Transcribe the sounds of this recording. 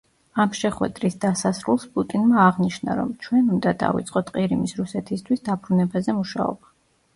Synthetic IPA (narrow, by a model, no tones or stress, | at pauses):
amʃɛχwɛ̰d̪ɾisd̪asasɾulˠspʼut̪ʼinmaːʁniʃna̰ɾɔ̰mt͡ʃʰwɛnund̪ad̪a̰vḭt̪sʼqʼɔt̪ʰqʼiɾimisɾusɛt̪ʰist̪ʰwisd̪abɾunɛbazɛmuʃa̰ɔ̰b̥a